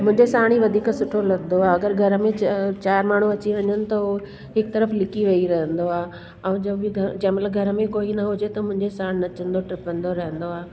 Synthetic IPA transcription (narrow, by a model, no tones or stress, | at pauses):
mʊ̃ɦɪ̃ɲd͡ʑesaːɽ̃iʋɐd̪ʱiːksʊʈʰolɐɡnoaːɐɡəɾɡʱɐɾəmẽt͡ɕaːɾmaːɳ̤uɐt͡ɕiʋɐɲənɪ̆t̪ɐ | ɦɪkt̪ɐɾəflɪkiʋɐiɾɐɦə̃nd̪oaː | ɛ̃ːd͡ʑɡʱɐd͡ʑɛ̃ːɪ̃mɐt̪ləbɡʱɐɾəmẽkoːinɐɦʊd͡ʑet̪ɐmʊ̃ɦɪ̃ɲd͡ʑesaːɽ̃nɐt͡ɕə̃nd̪oʈɾɪpə̃nd̪oɾɐɦə̃nd̪oaː